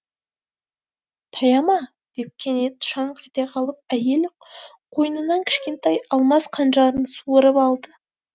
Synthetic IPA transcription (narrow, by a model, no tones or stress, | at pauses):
t̪ʰɑjɑmɑ | d̪̥e̞p̚kʲʰe̞ne̞d̪ʃɑɴqʰɑt̪eqʰɑlˠəp̚æje̞l | qʰo̞jənənɑŋkʲʰɪ̥ʃkʲe̞nt̪ɑjɑlˠmɑsqʰɑnʒɑɾənsuəɾəpɑlˠd̪ə